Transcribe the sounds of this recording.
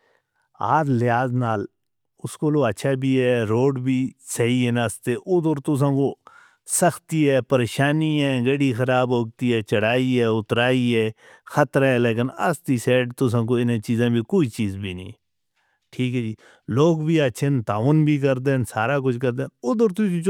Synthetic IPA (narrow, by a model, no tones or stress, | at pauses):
a̰ːd͡ʒlɪaːznaːl | ʊskoːloːətːʃʰaːbiːɦɛːɾoːɖbʱiːsəɦiːɛnəst̪eːʔʊd̪əɾt̪ʊs̬ãːkoː | səxt̪iːɦɛːpəɾeːʃaːniːɛːɡəɽiːxəɾaːbɦoːɡ̚t̪iːɛːt͡ʃəɽaːiːɛːʊt̪ɾaːiːɛː | xʰət̪ɾɛːleːkɪnə̰st̪iːsɛːɖt̪ʊs̬ãːk̬oːɪnẽːt͡ʃiːzãːbʱiːkoːiːt͡ʃiːzbʱiːnḭ̃ː | ʈʰiːkɦɛːd͡ʒiː | loːɡbʱiːətːʃʰeːnt̪aːʋnbʱiːk̬əɾd̪ensaːɾaːk̬ʊt͡ʃʰkəɾd̪eːʊd̪əɾt̪ʊ